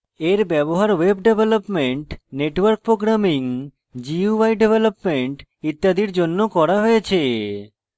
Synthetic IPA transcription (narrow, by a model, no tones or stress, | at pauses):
eɾbɛboɦaɾwebɖebʱelopmeɳʈneʈwəɾk̚pɾoɡɾamiŋ | d͡ʑiuajɖebʱelopmeɳʈ | it̪ːad̪iɾd͡ʑonːokɔɾaɦoet͡ɕʰe